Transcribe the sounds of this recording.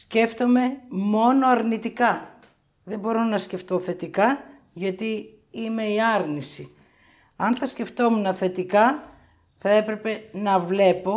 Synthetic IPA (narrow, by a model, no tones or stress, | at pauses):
sce̞ft̪o̞me̞mo̞no̞ɐɾnit̪ikɐ | ðe̞mbo̞ɾo̞nɐsce̞ft̪o̞θe̞t̪ikɐ | ʝɐt̪i | ime̞iɐɾnisi | ɐnθɐsce̞ft̪o̞menɐθe̞t̪ikɐ | θɐe̞pɾe̞pe̞nɐvle̞po̞